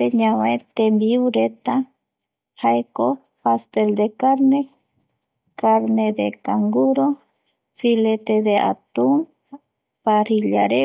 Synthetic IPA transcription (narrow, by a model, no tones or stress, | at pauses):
peɲãwet̪ẽmbiuɾet̪a | haeko | past̪eld̪ekaɾne | kaɾned̪ekaŋɡuɾo | filet̪ed̪eʔa̰t̪um | paɾiʎaɾe